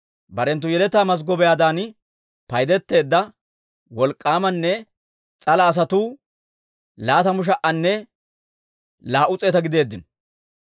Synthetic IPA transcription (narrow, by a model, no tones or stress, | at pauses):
bɐɾɛnt̪ːʊjɛlɛt̪ːaːmɐs̬ɡɔbɛjaːd̪aːn | pɐjd̪ɛt̪ːe̞ːd̪ːɐ | wɔlkʼːaːmɐnːɛ | t͡sʼɐlɐːs̬ɐt̪uː | laːt̪ɐmʊʃ̬ɐʔɐnːɛ | laːʔʊt͡sʼe̞ːt̪ɐɡɪd̪e̞ːd̪ːɪn